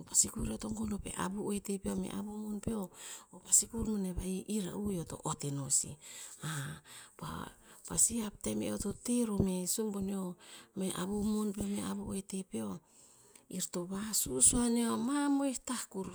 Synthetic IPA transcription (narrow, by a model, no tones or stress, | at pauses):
pasikuɾeotoŋɡonope̞̰ʔa̰buojtepeomḛʔa̰bumonpeoopasikuɾmoneβaiʔiɾa̰ujoto̞̰ʔotinosḭapa̰pasiap̚temḛototeɾomesumboniomeʔaβumonpeomeabuojtepeo | iɾtoβasusuaniomamojhtahkuɾ